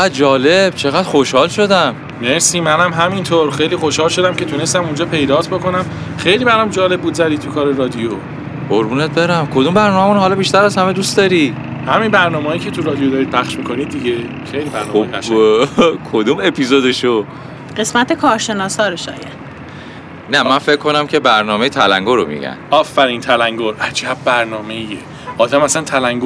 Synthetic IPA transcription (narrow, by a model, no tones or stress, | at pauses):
eæd̪̚d͡ʒɒːleb̥t͡ʃʰe̞ɣæd̪̥χo̞ʃhɒːlʃo̞d̪æm | meɾsiːmænæmɦæmint̪ʰoɾxejliːxoʃhɒːlʃo̞d̪æmce̞t̪ʰunest̪æmund͡ʒɒːpʰe̞jd̪ɒːt̪ʰboko̞næm | xejliːbæɾamd͡ʒɒːle̞b̚uːd̪zæd̪iːt̪ʰukʰɒːɾeɾɒːd̪ijo | hoɾbuːnet̪̚be̞ɾæmkʰod̪umbæɾnɒːmæmunɦɒːlɒbiʃt̪æɾæzhæmed̪ust̪ɒːɾi | hæminbæɾnɒːmeːjicʰe̞t̪ʰuɾɒːd̪ijod̪ɒːɾid̪̚pʰæχʃmikʰo̞nid̪̚ːiɟe | χejlibæɾnnɔːomæʃ | kʰod̪uːme̞pʰizod̪eʃo | ɢe̞smæt̪ekʰɒːɾʃe̞nɒːsɒːɾoʃɒ̰ːjæd̪̥ | næmænfe̞kʰːo̞næmcʰe̞bæɾnɒːme̞jet̪ʰælæ̰ŋɡoɾo̰mḭɟæ̰nɒːfːæɾint̪ʰælæŋɡoɾʔæd͡ʒæbːæɾnɒːme̞ije | ʔɒːd̪æmæsænt̪ʰælæŋɡo